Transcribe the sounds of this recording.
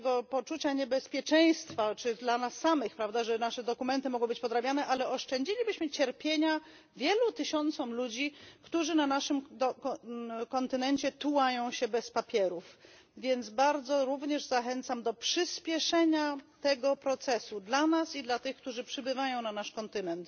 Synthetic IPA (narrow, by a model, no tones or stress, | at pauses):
t̪ɛɡɔpɔt͡ʂut͡ɕaɲɛbɛspʲjɛt͡ʂɛj̃st̪fat͡ʂɘd̪lanasːamɘxpɾavd̪aʐɛnaʂɛd̪ɔkumɛnt̪ɘmɔɡɔ̃w̃bɘt͡ɕpɔd̪ɾabʲjanɛʔalɛɔʂt͡ʂɛɲd͡ʑilʲibɘɕmɘt͡ɕɛɾpʲjeɲa | vʲjɛlut̪ɘɕɔnt̪sɔmlud͡ʑikt̪uʐɘnanaʂɘmd̪ | kɔnt̪ɘnɛnt͡ɕɛt̪uwajɔ̃w̃ɕɛbɛspapʲjɛɾuf | vʲjɛnd̪zbaɾd̪zɔɾuvɲɛʐzaxɛnt̪samd̪ɔpʂɘspʲjɛʂɛɲat̪ɛɡɔpɾɔt̪sɛsud̪lanasid̪lat̪ɘxk̚t̪uʐɘpʂɘbɘvajɔ̃w̃nanaʂkɔnt̪ɘnɛnt̪